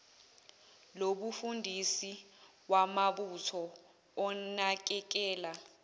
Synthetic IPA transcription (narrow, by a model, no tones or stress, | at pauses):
loɓufundʱisi | ɓwamaɓutʰɔː | nak̬ɛk̬ɛːla